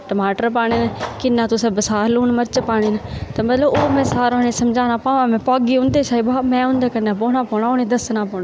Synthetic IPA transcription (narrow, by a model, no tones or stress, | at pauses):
ʈəmaːʈəɾpaːɽ̃ɪnkɪnːãːt̪ʊsebəsaːɾluːnməɾt͡ʃpaːɽ̃ɪnt̪ɐmɐt̪ləboːmɛ̃ːsaːɾoɦñẽsɐmd͡ʒʱaːnaːpãːʋãmɛ̃paːɡiʊ̃nd̪et͡ʃaːɦibɦaːmɛ̃ːʊ̃ːnd̪aːkɐnapoːɽãːpɔːɽ̃aoːnẽd̪ɐsnãpɔːɽ̃a